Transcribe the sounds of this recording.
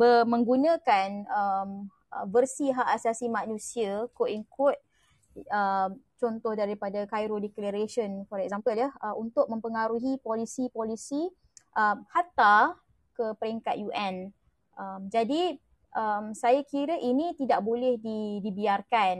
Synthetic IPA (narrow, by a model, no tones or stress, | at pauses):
bəmə̃ŋɡunə̃kanəm | əvərsiɦaʔasasimãnũsiakoʔiŋkʰʊt̪̚ | əmt͡ʃɔnt̪ɔhdaɾipadakajɾodɛklaɾeʃənfɔɾɛk̚zampəljahəunt̪ʊk̚mə̃mpəŋaɾuɦipolisipolisi | ʔəmhat̪a | kəpəɾiŋkat̪̚juʔɛn | ʔəmd͡ʒadi | ʔəmsajakiɾəʔinĩt̪idaʔbolɛhdidibiarkan